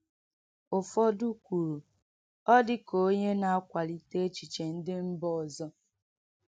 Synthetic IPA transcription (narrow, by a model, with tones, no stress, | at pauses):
ʊ˨fɔ˦du˦kʷu˨ɾu˨ | ɔ˦dɪ˦ko˦ɲe˦na˦˨a˦kʷa˨li˨te˦t͡ʃi˨t͡ʃe˨n̩˦dɪ˦m̩˦bɔ˦˨zɔ˦